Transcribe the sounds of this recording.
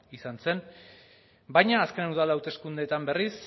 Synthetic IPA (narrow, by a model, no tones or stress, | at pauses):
isanse̞n | bajɲaːske̞nwðalawt̪e̞skund̪et̪ambe̞ris